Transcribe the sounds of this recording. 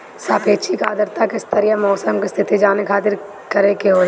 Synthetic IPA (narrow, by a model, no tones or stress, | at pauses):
saːpeːt͡ʃʰikaːd̪əɾt̪akɪst̪ʰəɾijamɔːsəmkest̪ʰɪt̪id͡ʒaːnekʰaːt̪̬ɪɾ | kɐɾekeɦoː